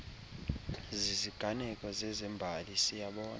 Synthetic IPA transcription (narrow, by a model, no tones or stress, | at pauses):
ziziɡ̥ʱanɛkʼɔzɛzɛmbʱalisijaɓɔːn